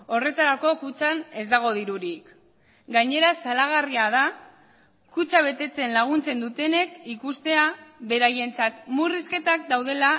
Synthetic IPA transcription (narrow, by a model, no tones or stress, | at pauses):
o̞re̞t̪aɾako̞kut͡sane̞zd̪aɣ̞o̞ð̞iɾuɾik | ɡaɲe̞ɾasalaɣ̞ariað̞a | kut͡saβ̞e̞t̪e̞t͡se̞nlaɣ̞unt͡se̞nd̪ut̪e̞ne̞kikust̪e̞aβe̞ɾaje̞nt͡sat̪muriske̞t̪ak̚d̪awðe̞la